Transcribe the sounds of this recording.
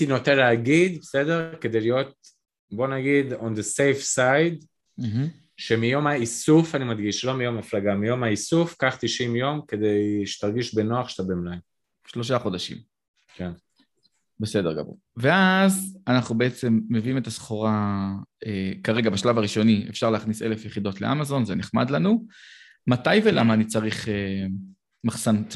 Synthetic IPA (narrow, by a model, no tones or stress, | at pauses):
tino̞tenleaɡid̪besedeʁke̞dejlijo̞t̪̚ | bo̞naɡid̪ond̪esejfsajd̩ | ʃe̞mijo̞maisufanimad̪ɡiʃlo̞mijo̞maflaɡamijo̞maisufkaχt̪iʃimjo̞mke̞d̪ejʃe̥t̪aʁɡiʃbeno̞aχʃe̥t̪abemlaj | ʃlo̞ʃ̬aχo̞daʃḭm | ken | be̞se̞de̞ʁɡa̰vṵ | ve̞azanaχnube̞et͡se̞mːe̞viimet̪asχoʁa | ekaʁe̞ɡabaʃlavaʁiʃo̞niḛfʃaʁleaχnise̞̰le̞fjeχido̞tle̞ʔa̰mazo̞nzeneχmadlanu | matajve̞lamaːnit͡saʁiχe | maχsan